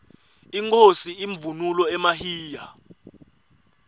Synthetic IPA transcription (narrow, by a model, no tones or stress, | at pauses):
iŋkʰʼosiiɱvunulɔɛmahiːja